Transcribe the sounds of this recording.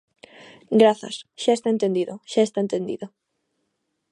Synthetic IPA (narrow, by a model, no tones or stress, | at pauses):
ɡɾaθa̰sʃaest̪aent̪end̪iðoʃaest̪aent̪ẽnd̪ḭðo